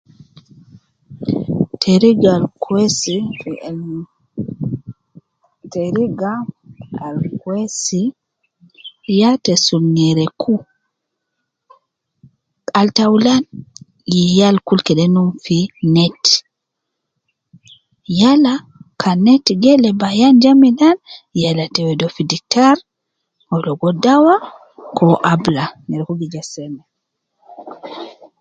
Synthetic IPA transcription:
tʰeɾiɡalkwesifi | teɾiɡaalkwesi | jatɛsulŋɛɾɛkʰu | altawlan | jijalkulkɛɗɛnunfinɛt | jala | kʰanɛtɡɛlɛbajand͡ʒamidanjalatɛwɛdɔfidik̚taɾ | hɔlɔɡɔdawa | kʰɔʔablaŋɛɾɛkuɡid͡ʒasɛmɛ

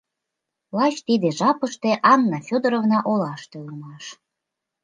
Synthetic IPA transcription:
lɑt͡ɕt̪id̪eʒɑpəʃt̪eʔɑnːɑfʲod̪əɾovnɑʔolɑʃt̪eumɑʃ

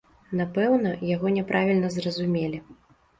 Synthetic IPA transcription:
napɛwnɐjaɣɔnʲɛpɾʔavʲilʲnɐzrɐzumʲelʲi

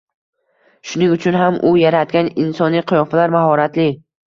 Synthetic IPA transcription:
ʃʊnɪŋʊt͡ʃʰʊnɦamʔʊjaɾat̪̚ɡʲanɪnsɒnijqʰɨjɒfalaɾmaɦɒɾat̪lɪ

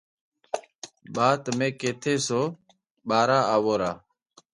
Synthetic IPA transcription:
ɓaːt̪mẽːkeːt̪ʰeːsoː | ɓaːɾaːaːʋoːɾaː

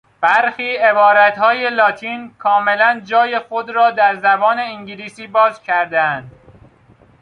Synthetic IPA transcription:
b̥æɾxiːe̞bɒːɾæt̪hɒːje̞lɒːt̪ʰiːnkʰɒːme̞lænd͡ʒɒːje̞xod̪ɾɒːd̪æɾzæbɒːne̞iŋɟiliːsiːbɒːzcʲʰæɾd̪eænd̪

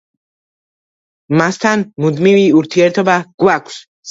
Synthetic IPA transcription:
mast̪ʰanmud̪miviuɾt̪ʰiɛɾt̪ʰɔbaɡ̥wakʷʰs | s

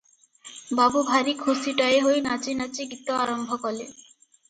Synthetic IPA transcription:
babubʱaɾikʰosiʈaeɦojnat͡ɕinat͡ɕikit̪ːoaɾombʱokɔle

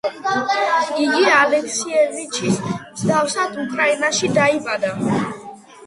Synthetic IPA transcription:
iɡialɛkʰsiɛlnit͡ʃʰismzɡ̪afsad̪ukʰɾainaʃid̪aibad̪a

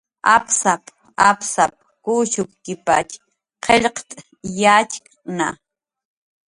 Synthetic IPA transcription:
a̰psap | apsap̚kuʃʊkkɪpat͡ʃ | qʰeʎqt̪ʼ | jat͡ʃk | na

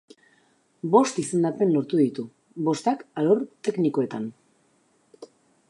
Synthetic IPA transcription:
bo̞st̪ise̞nd̪at̪enːo̞ɾt̪uðit̪u | bo̞st̪akaloɾt̪ekniko̞e̞t̪an

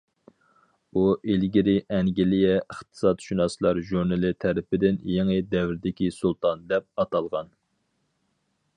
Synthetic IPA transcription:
uʔilɡʲiɾɪʔɛŋɡʲilijɛəχt̪ʰɨ̥sɑt̪ʃunɑslˠɑɾʒuɾnɨlˠɪt̪ʰæɾɪpɪd̪ɪnjeŋɪd̪ɛwɾɪd̪ɪkʲisulˠt̪ʰɑnd̪ɛp̚ɑt̪ɑlˠʁɑn

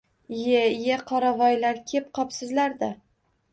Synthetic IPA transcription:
jejeqʰɒɾavɒjlaɾkʲʰep̚qʰɒpsɪzlaɾd̪a

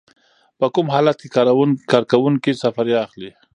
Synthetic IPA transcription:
pəkʊmɦɑlat̪̚kekkɑɾkawʊŋkisafaɾjɑːxli

